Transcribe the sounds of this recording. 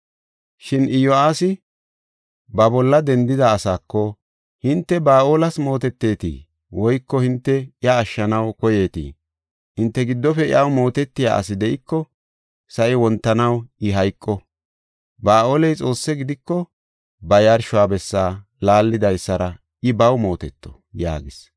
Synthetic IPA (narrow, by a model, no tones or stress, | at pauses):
ʃɪnʔɪjɔaːsɪ | bɐbɔlːɐd̪ɛnd̪ɪd̪ɐːsaːkːɔ | hɪnt̪ːɛbaːʔo̞ːlɐsmo̞ːt̪ɛt̪ːe̞ːt̪ḭː | wɔjkːɔhɪnt̪ːɛɪjɐːʃːɐnɐwkɔje̞ːt̪ḭː | hɪnt̪ːɛɡɪd̪ːɔfɛɪɐwmo̞ːt̪ɛt̪ːɪja̰ːʔɐ̰sɪd̪ɛʔɪkːɔ | sɐʔɪwɔnt̪ːɐnɐwʔɪɦɐjkʼːɔ | baːʔoːlɛjt͡sʼo̞ːsːɛɡɪd̪ɪkːɔ | bɐjɐɾʃʊwaːbɛsːaː | laːlːɪd̪ɐjsːɐɾɐ | ɪbɐwmo̞ːt̪ɛt̪ːɔ̥̰ | ja̰ːɡɪs